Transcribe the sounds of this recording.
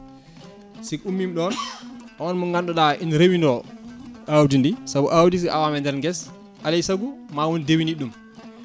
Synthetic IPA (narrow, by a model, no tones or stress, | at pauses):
sikumːimɗɔnʔɔɔnmuŋɡanɗɔɗaʔinɾewindɔ | ʔawdindisabuʔawdis̬iʔa̰wamɛndɛɾɡɛs | ʔalɛjsaɡumawɔndewiniɗːum